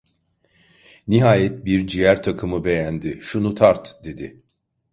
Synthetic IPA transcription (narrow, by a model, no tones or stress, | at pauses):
niɦaːjɛt̪̚biɾd͡ʒijæɾt̪ʰakʰɯmɯbe̞jænd̪ɪʃunut̪ʰaɾt̪d̪e̞d̪ɪ